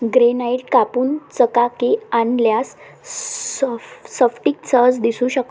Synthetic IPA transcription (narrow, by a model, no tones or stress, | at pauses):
ɡɾenaiʈ̚kapuːnt͡səkakeanljas | səfʈiːk̚t͡səd͡zd̪isũːɕək